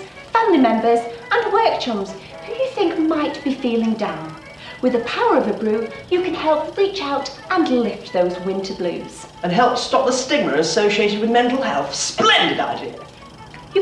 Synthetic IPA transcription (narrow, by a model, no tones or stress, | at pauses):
fæ̃nlimɛ̃mbə˞zʔə̃nwɜ˞k̚t͡ʃʰʌ̃mz̥ | hɨjɨθɪ̃ŋk̚maɪt̚b̥ifilˠɪ̃ŋdãʊ̃n | wɨðɨpʰaʊə˞ʌvɨbɹʉjɨkʰɨ̃nhɛlˠpɹit͡ʃaʊɾʔə̃nlɪft̪̚ðoʊzwɪ̃ntʰə˞blʉ̰z̥ | ɨ̃nɦɛlˠpstɑp̚ðəstɪɡ̚mə˞ɨsoʊʃieɪɾɨd̚wɨðmɛ̃ntˡl̩ˠhɛ̰lˠθsplɛ̃ndɨɾa̰ɪdɪə | jɨ